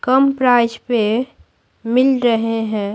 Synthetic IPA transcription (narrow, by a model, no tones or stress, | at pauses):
kəmpɾaɪd͡ʒpe | mɪlɾəɦeɦɛ̃ː